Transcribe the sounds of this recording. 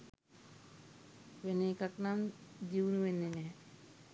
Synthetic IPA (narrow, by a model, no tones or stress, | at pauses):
ʋeneːkaknamd͡ʒiwunuʋenːenɛː